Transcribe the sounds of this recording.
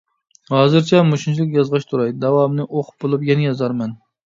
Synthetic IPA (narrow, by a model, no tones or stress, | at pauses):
hɑːzɨɾt͡ʃʰɛmoʃint͡ʃʰlˠɪkʲjɑzʁɑʃt̪ʰuɾɑjd̪ɛwɑmnɨʔoχʰʊ̥p̚bolˠupjɛnɛjɑzɑɾmɛn